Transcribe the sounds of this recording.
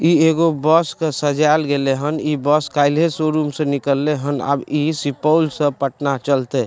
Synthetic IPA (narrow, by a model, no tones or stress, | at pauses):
ieɡobəskesəd͡ʒalɡeleɦənibəskaɪlɦesoɾumsə̃nikəlːeɦəna̰bisipəwlsə̃pəʈnat͡ʃəlt̪ɛ